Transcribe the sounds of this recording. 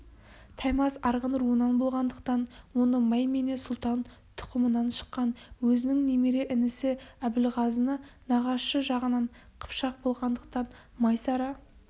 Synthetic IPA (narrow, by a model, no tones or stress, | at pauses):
t̪ʰɑjmɑsɑɾʁənɾuənɑnbo̞lˠʁɑnd̪əq̚t̪ɑnwo̞nəmɑjmene̞sʊlˠt̪ɑn | t̪ʰʊ̥qəmənɑnʃə̥qːɑnwɵzɪnɪŋnemeɾe̞ʔɪnɪsɪæbɪlʁɑzənənɑʁɑsʃəʒɑʁənɑɴ | qʰə̥pʃɑq̚bo̞lˠʁɑnd̪əq̚t̪ɑn | mɑjsɑɾɑ